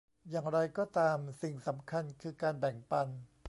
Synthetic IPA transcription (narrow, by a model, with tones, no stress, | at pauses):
jaː˨˩ŋɾa˧jkɔː˥˩t̪aː˧msi˨˩ŋsa˩˦mkʰa˧nkʰɯː˧kaː˧nbɛ˨˩ŋpa˧n